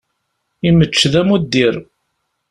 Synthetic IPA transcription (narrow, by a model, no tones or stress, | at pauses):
imət͡ʃːðæmud̪ːiɾ